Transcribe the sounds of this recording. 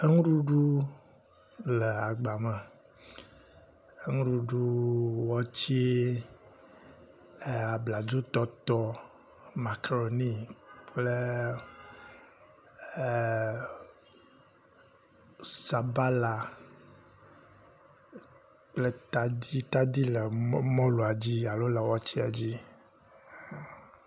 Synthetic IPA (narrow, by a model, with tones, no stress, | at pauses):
e˦ŋu˦ɖu˦ɖu˦ | le˨a˨ɡ͡ba˨mə˨ | e˦ŋu˦ɖu˦ɖu˦wɔ˦t͡ɕi˦e˦ | e˦˨a˨bla˨d͡ʒo˦t̪ɔ˦t̪ɔ˦ | ma˨ke˨ɾo˨ni˦ple˦˨ | sa˨ba˦la˨ | k͡ple˦t̪a˦di˦t̪a˦d̪i˦lɛ˨˦mɔ̃˦lu˨a˨d͡ʑi˦a˨lo˦lɛ˨wɔ˦t͡ɕi˦a˨d͡ʑi˦˨